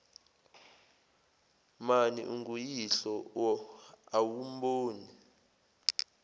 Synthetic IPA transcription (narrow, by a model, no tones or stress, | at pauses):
manḭʔuŋɡujiɬɔwɔawum̩boːni